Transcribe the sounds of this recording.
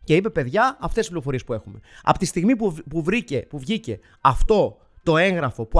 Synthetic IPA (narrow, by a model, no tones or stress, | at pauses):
ce̞ipe̞pe̞ðʝɐɐft̪esispliɾo̞fo̞ɾiespue̞xume̞ɐ̰pot̪ist̪iɣmipuvɾicepuvʝice̞ | ɐft̪o̞ | t̪o̞e̞ŋɣɾɐfo̞pu